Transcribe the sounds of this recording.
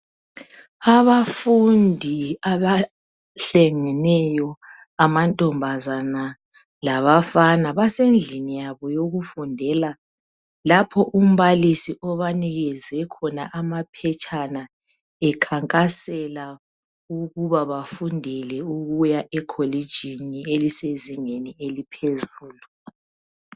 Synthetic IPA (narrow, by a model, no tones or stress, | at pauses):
aβafundʱiaβa | ɬeŋɛnɛjɔ | amantʼɔmbʱazana | laβafanaβasend͡ɮʱinijaβɔjoɣufundʱɛla | lapʰɔʔum̩βalisiʔɔβaniɣɛzɛkʰɔnaʔamapʰɛt͡ʃʼʰana | ɛkʰaŋkʼasɛla | uɣuβaβafundʱɛlɛuɣujaʔɛkʰolid̥ʒ̥ʱinieliseziŋenielipʰezuːlu